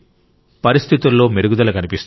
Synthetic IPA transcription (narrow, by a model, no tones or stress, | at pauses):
pɐɾist̪ʰit̪ulːo̞ːmeɾuɡud̪ɐlɐkɐnipist̪